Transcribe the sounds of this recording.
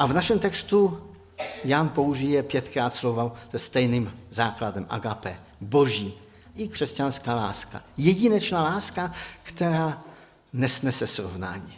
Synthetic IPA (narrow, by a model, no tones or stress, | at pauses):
ʔavnaʃɛmt̪ɛkst̪u | janpo̞uʒijɛpjɛt̪kɾaːt̪slovaz̥ɛst̪ɛjnimzaːkladɛmʔa̰ɡapɛ | boʒiː | ʔɪkr̝̥ɛscanskaːla̰ːska̰jɛɟɪnɛt͡ʃnaːlaːskakt̪ɛɾaː | nɛsnɛsɛsɾovna̰ːɲi